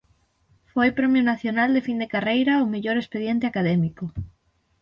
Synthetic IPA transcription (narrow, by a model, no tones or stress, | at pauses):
fojpɾemjonaθjonald̪efind̪ekarejɾaomeʎoɾespeð̞jent̪eakað̞emiko